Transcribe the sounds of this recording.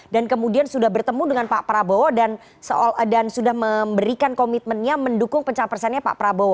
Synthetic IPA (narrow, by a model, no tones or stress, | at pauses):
dankəmudiansudahbərt̪əmudəŋanpaʔpəɾabowodan | səoldansudahməmbəɾikankomit̪̚mənɲaməndukʊŋpəɲt͡ʃaŋpərsanɲapa̰ʔpəɾabowo